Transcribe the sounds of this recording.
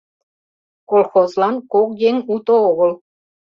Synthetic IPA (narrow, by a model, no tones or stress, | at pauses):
kolxozlˠɑnkokjeŋut̪ooɣə̆lˠ